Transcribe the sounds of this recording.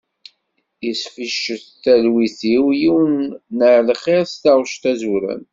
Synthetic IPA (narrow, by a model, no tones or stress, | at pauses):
jəsfiʃːəθθælwiθiwjiwənːəʕlχeɾst̪ɑʁʃt̪æzuɾæ̰n